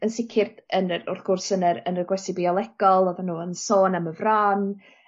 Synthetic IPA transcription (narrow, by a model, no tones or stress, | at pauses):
ənsɪkʰɪrd̥ənəʊ̰rθɡ̥ʊrsənəɾənərɡwɛsibiɔlˠɛɡ̥ɔlˠɔðanuːənsoːnaməvraːn